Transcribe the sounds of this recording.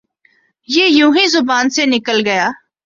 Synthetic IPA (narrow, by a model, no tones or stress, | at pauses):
jeːjũːɦĩzʊbaːnsenɪkəlɡɐjaː